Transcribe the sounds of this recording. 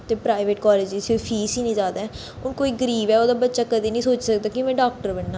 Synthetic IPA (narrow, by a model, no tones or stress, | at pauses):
t̪eːpɾaːɪʋeːʈkɔːleːd͡ʒsiopʰiːsiːnĩːd͡ʒaːd̪aːɛː | ʊnkoːiːɡəɾiːbɛːoːd̪aːbətːʃaːkəd̪iːnəĩːsoːt͡ʃsəkd̪aːkɪmɛ̃ːɖaːk̚ʈəɾbɛɳːaː